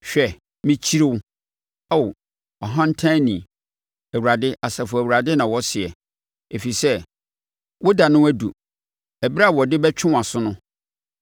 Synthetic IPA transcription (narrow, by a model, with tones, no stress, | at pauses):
ɕᶣɛ˨ | mĩ˦t͡ɕʰi˦ɾɪ˦wʊ˦ | a˦w | ɔ˨ɦã˦n̩˦tʰã˦nĩ˨ | æ˨wu˨ɾa˨dɪ˦ʔa˨sɛ˨fʊ˨æ˨wu˨ɾa˨dɪ˦nã˨wɔ˦sɪ˨ɛ̰˨ | e˨fi˨sɛ˦ | wɔ˦da˨nʊ̃˦æ˦dṵ˨ | ɛ˨ba˦˨wɔ˨dɪ˦bɛ˦t͡ɕᶣʰɪ̃˦˨a˨sʊ˦nʊ̃˦